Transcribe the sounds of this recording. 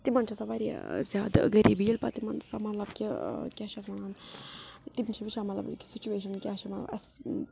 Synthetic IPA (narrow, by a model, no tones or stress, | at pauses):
t̪imɐnt͡ʃʰɐsaʋaɾḭzjaːd̪̰ɡəɾiːbiːlpɐt̪imɐnsamɐt̪lɐbkʲikʲat͡ʃʰɐsmɐnaːn | t̪ibnʲt͡ʃʰɐʋit͡ʃʰamɐt̪lɐ̰bki̥sit͡ʃueːʃ̬ɐnkʲaːt͡ʃʰɐmɐt̪lɐ̰bɐs